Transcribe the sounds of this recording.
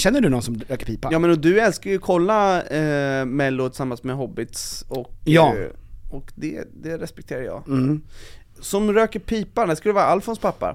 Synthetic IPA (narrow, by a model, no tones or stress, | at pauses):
ɕɛnːəɖɵnɔnsɔmɾøːkəɾpiːpajɑːmɛnɔd̪ɵɛlskaɾjɵkʰɔlːa | mɛlːʊt̪ʰɪsamːansmɛɦɔbːɪt̪sɔkjɑːɔkd̪ɛ̰d̪ɛɾɛspɛk̚t̪ʰeːɾaɾjɑ̰ːɡ | sɔmɾøːkəɾpʰiːpaɖæskaldəvːɾaalfɔnspʰapːa̰ɾ